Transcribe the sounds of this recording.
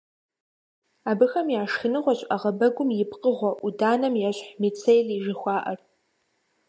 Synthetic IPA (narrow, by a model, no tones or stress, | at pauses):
aːbɨxɐmjaːʂxɨnɨʁʷɔɕʼʔɐʁɐbɐɡʷʊmjɪpqʼəʁʷɐʔudaːnɐmjaɕħmit͡sʰejɮiʒɨxʷɑːʔɐr